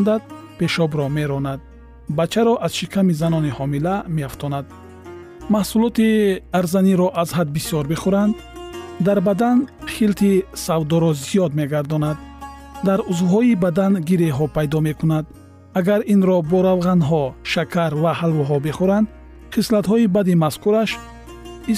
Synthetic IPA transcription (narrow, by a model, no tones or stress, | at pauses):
nd̪ad̪̚pe̞ʃɔbɾɔme̞ɾɔnad̪̚ | bat͡ʃʰaɾɔʔazʃikʰamizanɔnihɔmilameaft̪ʰɔnad̪̚ | mahsulɔt̪iaɾzaniɾɔʔazhad̪̚bisjɔɾbeχuɾand̪ː | aɾbad̪anχilt̪ʰisavd̪ɔɾɔzijɔd̪me̞ɡaɾd̪ɔnad̪̚ː | aɾuzvɦɔibad̪anɡiɾeɦɔpʰajd̪ɔmekʰunad̪ | aɡaɾinɾɔbɔɾavʁanɦɔʃakʰaɾvahalvɔɦɔbeχuɾand̪ | χislat̪hɔibad̪imaskʰuɾaʃ | i